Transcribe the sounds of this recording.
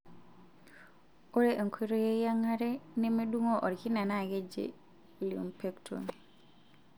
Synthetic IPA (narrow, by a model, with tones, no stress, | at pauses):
o˦ɾeʔe˨ŋkʰi˦ɾo˦je˦ja˦ŋa˦ɾe˦ne˦me˦du˦ŋo˦ʔɔ˨ɾki˦na˨na˦˨ɡe˦d͡ʒḛ | li˨ṵ˨mpe˦ktʰṵ˨n